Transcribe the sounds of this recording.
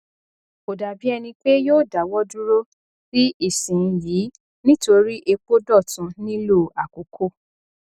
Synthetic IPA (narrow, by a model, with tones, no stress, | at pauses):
o˨da˨bi˨˦ɛ˧nĩ˧k͡pe˦joː˦˨da˨˦wɔ˦du˦ɾo˦ | ɾi˦ʔi˦˨sĩ˨˦jiː˨˦ | nĩ˦to˧ɾi˦ʔe˧k͡po˦dɔ˦˨tũ˨˦nĩ˦lo˦˨a˨ko˨˦kʰo˦˨